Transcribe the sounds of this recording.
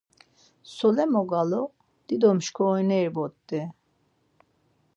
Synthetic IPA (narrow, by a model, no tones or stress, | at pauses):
sɔlɛmɔɡalɔ | d̪̥id̪ɔmʃkʰɔːjnɛiɾbɔt̪ːɛ